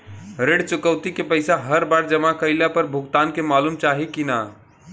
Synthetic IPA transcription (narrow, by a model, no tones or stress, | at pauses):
ɾeɽt͡ʃukəwt̪ikepəɪsaɦəɾbaɾd͡ʒəmakəɪlapəɾbʱuɡt̪ankemalumt͡ʃaɦikina